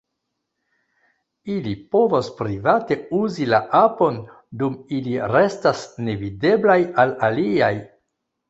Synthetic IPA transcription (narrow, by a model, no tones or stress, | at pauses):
ilipo̞vospɾivate̞uzilaʔapo̞n | dumiliɾe̞stasne̞vide̞blajalaliaj